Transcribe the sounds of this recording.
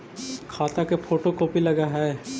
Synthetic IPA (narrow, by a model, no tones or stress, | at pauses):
kʰaːt̪akepʰoːʈokoːpilɐɡaɦɛː